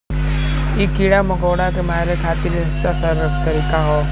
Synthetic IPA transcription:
iːkiːɽamɐɡoːɽaːkemaːɾekʰaːt̪iɾiɦɐst̪asəɾət̪əɾiːkaɦoː

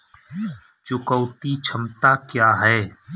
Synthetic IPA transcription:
t͡ʃʊkəːt̪it͡ʃʰəmt̪akjaːɦɛː

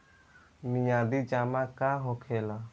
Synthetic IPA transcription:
miɲãd̪id͡ʒamãkaɦɔkʰela

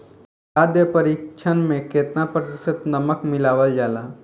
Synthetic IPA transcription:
aːd̪jəpəɾiːkt͡ʃʰənmẽkeːt̪napɾət̪ɪsət̪nɐməkmɪlaːʋəld͡ʒaːlaː

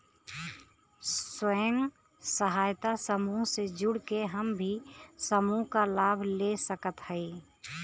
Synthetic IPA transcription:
swəŋ | səɦaːjt̪asəmuːsed͡ʒʊɽkeɦɐmbʱisəmukalaːbʱlesəkət̪hɛi

